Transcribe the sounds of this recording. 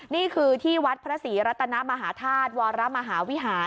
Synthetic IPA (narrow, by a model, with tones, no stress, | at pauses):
niː˥˩kʰɯː˧t̪ʰiː˥˩wa˦˥t̪̚pʰɾa˦˥siː˩˦ɾa˦˥t̪ʰːa˧na˦˥ma˧ɦaː˩˦t̪ʰaː˥˩t̪̚wɔː˧ɾa˦˥ma˧ɦaː˩˦wi˦˥ɦaː˩˦